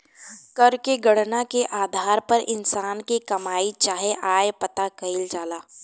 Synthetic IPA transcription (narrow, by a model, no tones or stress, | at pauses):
kɐɾkeɡɐɽnakeʔaːd̪ʱaːɾpɐɾʔɪnsaːnkikɐmaːit͡ʃaːɦeʔaːjepɐt̪akɐɪld͡ʒaːlaː